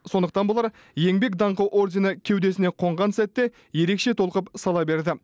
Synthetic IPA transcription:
so̞nd̪əqt̪ɑnbolˠɑɾ | je̞ŋbe̞kd̪ɑɴqɑwʔo̞rdʲenəkʲʰe̞wd̪e̞sɪne̞qʰo̞ɴʁɑnsæt̪ːe̞ | je̞ɾe̞kʃe̞t̪ʰo̞lˠqəpsɑlˠɑbe̞ɾd̪ɪ

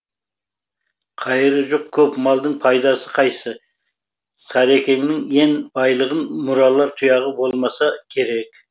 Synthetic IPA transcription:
qʰɑjɪɾəʒoq̚kʲʰɵpmɑlˠd̪əɴpʰɑjd̪ɑsəqʰɑjsə | sɑɾe̞kʲe̞ŋnɪŋe̞nbɑjlˠəʁənmʊɾɑlˠɑɾt̪ʰʊjɑʁəbo̞lˠmɑsɑkʲʰe̞ɾe̞k

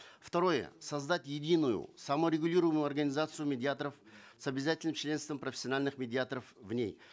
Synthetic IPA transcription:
ft̪ɐɾo̞jə̰sɐzd̪atʲjɪdʲinʊjʊ̰sɐməɾʲɪɡʊlʲiɾəvəmʊjʊɐrɡənʲɪzat̪sɨjʊmʲɪdʲɪat̪əɾəfsɐbʲɪzatʲɪlʲnɨmt͡ɕlʲe̞nst̪vəmpɾəfʲɪ̥sʲɪɐnalʲnɨxmʲɪdʲɪat̪əɾəfvnʲḛj

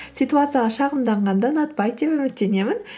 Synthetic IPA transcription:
sʲit̪uat̪sɨjaʁɑʃɑʁəmd̪ɑɴʁɑnd̪ɑnɑt̪̚pɑj̪epɵmɪt̪ːe̞ne̞mɪn

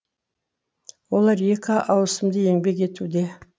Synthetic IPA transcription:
wo̞lˠɑɾje̞kʲɑʔɑwəsəmd̪əje̞ŋbe̞ke̞t̪ud̪e̞

